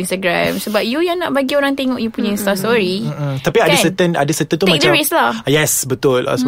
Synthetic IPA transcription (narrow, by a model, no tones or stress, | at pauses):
inst̪aɡɾã̰msəbap̚jujanãʔ̚baɡioɾaŋt̪eŋɔʔjupuɲaĩnst̪astoɹim̩t̪apiadəssət̪əna̰dəsət̪ənt̪umãk̚t͡ʃdaəɹislajɛsbət̪ʊla̰